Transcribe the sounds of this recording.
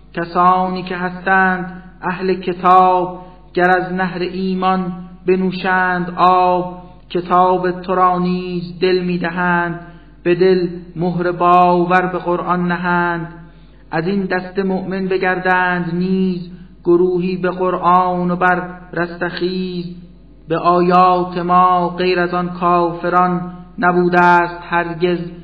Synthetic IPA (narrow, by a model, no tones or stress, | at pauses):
cʲʰæsɒːniːcʰe̞ɦæst̪æːnd̪ʔæhlecʰe̞t̪ʰɒːb̚ | ɟ̥æɾæznæɦɾeʔiːmɒnbe̞nuːʃæːnd̪ʔɒːb | cʲʰe̞t̪ʰɒːbet̪ʰoɾɒːniːzd̪e̞lmiːd̪æɦæːnd̪ | b̥e̞d̪e̞lmoɦɾebɒːvæɾbe̞ɣoɾʔɒnːæɦæːnd̪ | ʔæzind̪æst̪e̞moʔmenbe̞ɟæɾd̪æːnd̪niːzɡ̥oɾuːɦiːbe̞ɣoɾʔɑɒːnobæɾɾæst̪æχiːz | beʔɒːjɑːt̪ʰe̞mɒːɢejɾæzɒnkʰɒːfeɾɒnːæbuːd̪æːst̪hæɾɟe̞z